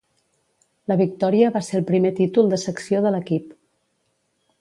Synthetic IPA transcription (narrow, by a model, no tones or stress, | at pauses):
ləβik̚t̪ɔɾiəβaseɾəlˠpɾimet̪it̪ulˠd̪əsəksioðələkip